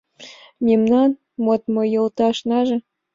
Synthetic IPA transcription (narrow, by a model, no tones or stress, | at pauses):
mʲemnɑn | mot̪mɤjɤ̆lˠt̪ɑʃnɑʒɤ̆